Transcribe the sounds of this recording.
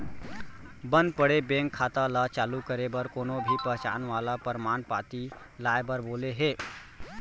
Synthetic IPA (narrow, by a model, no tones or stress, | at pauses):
bə̃nd̪̚pəɽebẽːŋkʰːaːt̪alat͡ʃaːlukəɾebəɾkoːnobʱipəɦt͡ʃa̰ːnʋaːlapəɾəmaːnpaːt̪i | laːebəɾboːleɦeː